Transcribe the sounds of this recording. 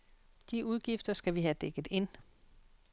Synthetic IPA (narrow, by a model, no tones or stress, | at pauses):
d̥iʔuð̞ˠɡ̥ifd̥ɐsɡ̥æʋiɦæd̥eɡ̥ð̩ˠe̝n̰